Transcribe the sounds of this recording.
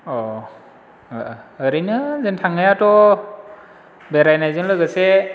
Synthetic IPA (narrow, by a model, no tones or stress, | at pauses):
ɔ | ɯɾijnɯzentʰaŋajatɔ | beɾajnajzɯnlɯɡase